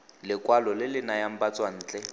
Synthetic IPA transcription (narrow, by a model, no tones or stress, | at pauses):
lɪkʼwalɔlɪlɪnajam̩bat͡sʼwan̩ːt͡ɬʼɛ